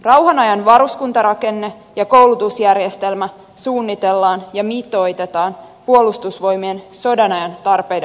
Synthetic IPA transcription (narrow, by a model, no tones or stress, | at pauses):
rɑwɦɑnɑjɑnʋɑɾuskunt̪ɑɾɑke̞nːe | jɑko̞wlut̪usjærjest̪e̞lmæ | suːnːit̪elːɑːnjɑmit̪o̞jt̪e̞t̪ɑːnpuo̞lust̪usʋo̞jmienso̞dɑnɑjɑnt̪ɑrpe̞jdɑ